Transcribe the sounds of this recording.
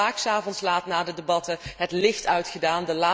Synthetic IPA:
aːksaːvɔntslaːtnaːdədebɑtəɦətlɪχtœɥtχədaːndəlaː

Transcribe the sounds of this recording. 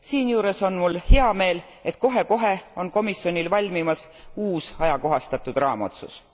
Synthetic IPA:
siːnjuːɾe̞so̞nmulheɑme̞ːl | e̞t̪̚ˑko̞ɦe̞ko̞ɦe̞o̞nko̞misjo̞nʲilvɑlʲmimɑs | uːsɑjɑko̞ɦɑst̪ɑt̪ːˑud̪̥rɑːmɑ̰t̪sṵs

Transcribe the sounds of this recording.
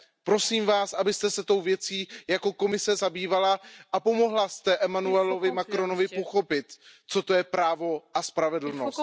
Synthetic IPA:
pɾo̞siːmvaːsʔabɪst̪ɛsɛt̪o̞wvjɛt͡siːjako̞ko̞mɪsɛzabiːvalaʔapo̞mo̞ɦlast̪ɛʔɛmanuɛlovɪmakɾo̞no̞vɪpo̞xo̞pɪt̪t͡so̞t̪o̞jɛpɾaːvo̞ʔaspɾavɛdl̩nos

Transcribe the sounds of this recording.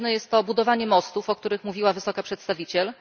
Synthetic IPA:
nɛjɛst̪ːɔbud̪ɔvaɲɛmɔst̪ufɔk̚t̪uɾɘxmuvʲiwavɘsɔkapʂɛt̪st̪avʲit͡ɕɛl

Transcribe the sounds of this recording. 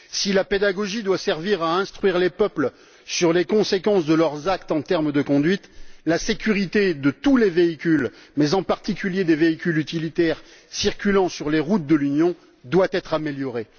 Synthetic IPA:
silaped̪aɡɔʒid̪wasɛʁviʁaɛ̃st̪χɥiʁlepœpl | syʁlekɔ̃sekɑ̃sd̪əlœʁzakt̪ɑ̃t̪ɛʁmd̪əkɔ̃d̪ɥit̪lasekʲyʁit̪ed̪ət̪uleveikʲylmɛzɑ̃paʁt̪ikʲyljed̪eveikʲylyt̪ilit̪ɛʁ | siʁkʲylɑ̃syʁleʁut̪̚d̪əlynjɔ̃ | d̪wat̪ɛt̪χameljɔʁe

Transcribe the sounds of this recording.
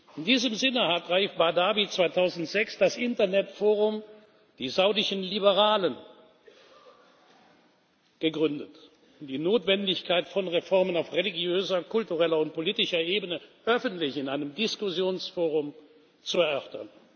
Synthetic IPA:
ʔɪndiːzəmzɪnəɦatʁaifb̥adaːbit͡sv̥aɪtʰaʊzn̩tz̥ɛksd̥asʔɪntɐnɛtfoːʁʊm | d̥iːzaʊdɪʃənlibəʁaːlən | ɡ̥əɡʁʏndət | ʊmdiːnoːtv̥ɛndɪçkʰaɪtfɔnʁefɔɐmənaʊfʁeliɡjøːzɐkʰʊltuʁɛlɐʊnt̚poliːtɪʃɐʔeːbənəʔœfəntlɪçɪnaɪnəmdɪskʊzjoːnsfoːʁ̞ʊm | t͡suɛɐœʁtɐ̰n

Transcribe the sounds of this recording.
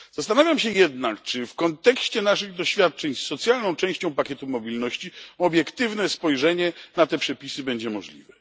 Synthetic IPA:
z̥ast̪anavʲjamɕɛjɛd̪nakt͡ʂɘfkɔnt̪ɛkɕt͡ɕɛnaʂɘɣd̪ɔɕfʲjat̪̚t͡ʂɛɲsːɔt̪sʲjalnɔ̃w̃t͡ʂɛ̃w̃ɕt͡ɕɔ̃w̃pakʲɛt̪umɔbʲilnɔɕt͡ɕiɔbʲjɛkt̪ɘvnɛspɔjʐɛɲɛnat̪ɛpʂɛpʲisɘbɛɲd͡ʑɛmɔʐlʲḭvɛ

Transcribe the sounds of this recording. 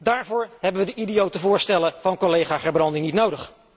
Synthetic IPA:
daːɹvʊːɹɦɛbənʋədəʔidijowtəvʊːɹstɛləvɑnkɔlejχaːχɛɹbrɑndɪŋnitnowdəχ

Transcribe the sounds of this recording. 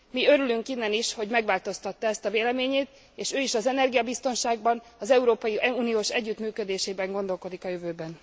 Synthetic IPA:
miøɾylyŋkinːɛniʃho̞ɟmɛɡʋaːlt̪o̞st̪ɒt̪ːɒɛst̪ɒveːlɛmeːɲeːt̪ | eːʃøːiʃɒzɛnɛrɡijɒbist̪o̞nʃaːɡbɒn | ɒzɛuɾoːpɒjiuːnijoːʃɛɟːyt̪myːkø̞d̪eːʃeːbɛŋɡo̞nd̪o̞lko̞d̪ikɒjøvøːbɛn

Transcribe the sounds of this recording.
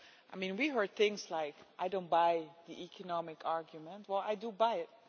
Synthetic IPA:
ʔaɪmĩnwiɦɜ˞d̪̚θɪ̃ŋslaɪkʔaɪdõʊ̃nt̚baɪðiʔikʰənɑmɪkʰɑɹɡjumə̃ntwɛlˠa̰ɪdubajɪt̚

